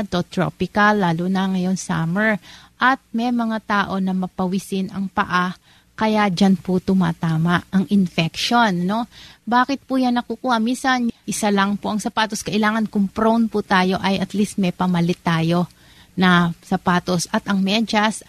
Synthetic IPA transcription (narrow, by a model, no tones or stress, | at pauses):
t̪ot̪ɾo̰pɪkɐlːaːlunɐŋɐjo̞nsaːmɛɹʔɐt̪̚mɛjmɐŋat̪aːʔo̞nɐmɐpɐwisɪnʔɐŋpɐ̰ʔa | kɐjad͡ʒanpʊt̪ʊma̰ːt̪aːmaʔɐŋʔɪnfɛkʃo̞nːo̞baːkɪt̪̚pujannɐkukuːhɐminsɐnʔɪsalɐŋpoʔɐŋsɐpaːt̪oskɐʔɪlaːŋɐnkʊŋpɾownpʊt̪aːjo̞ʔɐjʔɐt̪list̪̚mɛpɐmɐlɪt̪ːaːjo̞ | nɐsɐpaːt̪o̞sɐt̪ɐŋmɛd͡ʒɐs